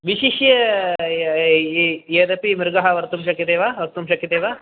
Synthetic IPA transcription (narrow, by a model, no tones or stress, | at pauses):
ʋiɕiʃjɐ | jeɾɐpimiɾɡɐɦɐʋɐɾt̪umʃɐkːjɐt̪eːʋaʋɐɾt̪umʃɐkjɐt̪eːʋa